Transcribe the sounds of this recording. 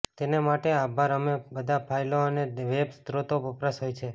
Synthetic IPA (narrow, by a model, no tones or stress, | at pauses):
t̪enemaʈeabʱaɾəmebəd̪ʱapʰajloəneʋebsd̪ɾot̪oəpɾəsɦojt͡ʃʰe